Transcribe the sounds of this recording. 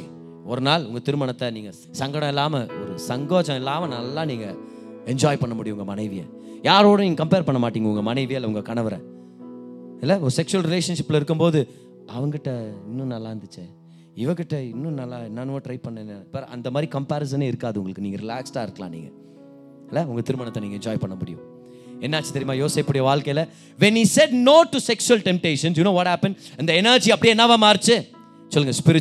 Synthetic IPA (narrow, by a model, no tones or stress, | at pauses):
ɔɾɯnaːlʊŋɡɐt̪ɪɾɯmɐɳɐt̪ːɐniːŋɡɐ | sɐŋɡɐɽɐ̃ɛlːaːmɐɔɾɯsɐŋɡoːd͡ʒɐ̃ɛlːaːmɐnɐlːãːniːŋɡɐ | ɛɲd͡ʒaːjpɐɳːɐmʊɽɪjɐʊŋɡɐmɐnɐɪʋɪjɐ̰ | jaːɾoːɽɯ̃niːŋɡɐkɐmpeːɾpɐɳːɐmaːʈːiːŋɡɐʊŋɡɐmɐnɐɪʋɪjlːɐʊŋɡɐkɐɳɐʋɐɾɛ̰̃ː | ɪlːɐɔɾɯsɛkʂʊɐlɾɪleːʂɐnʂɪpːɪlɪɾɯkːɯmboːðɯ | ʔɐʋɐŋɡkɪʈːɐɪnːʊ̃nɐlːaːɾɐnd̪ɯt͡ʃːɛ | ɪʋɐkɪʈːɐɪnːʊ̃nɐlːaːɪnːanoːʈɾɐɪpɐnːɐnːɐbɐɾɐ̰nd̪ɐmaːd̪ɾikɐmpaːɾɪs̬ɐneɪɾɯkːaːðɯʊ̰ŋɡɐɭɯkːɯniːŋɡɐɾɪlaːksʈaːɪɾɯkːɐlã̰ːnḭːŋɡɐ | ɪlːɐʊŋɡɐt̪ɪɾɯmɐnɐt̪ːɐ̃niːŋɡɐɛɲd͡ʒɔːjpɐɳːɐmʊɽɪ̰jʊ̰̃ | ɛnːaːt͡ʃːɯ̥t̪ɐɾɪmaːjoːsɐɪpːɐɽɪjɐʋaːɭkɐɪlɐ | ʋɛnhisɛɖnoːʈːusɛksʊɐlʈɛmp̚ʈeːʂɐnsjunoːʋɔːʈhaːpɛ̃nɖɪnd̪ɐɛnɐɾd͡ʒiɐpːɐɽɪenːaːʋãmaːɾt͡ʃːɯ | sɔlːɯŋɡɐspɪɾɪ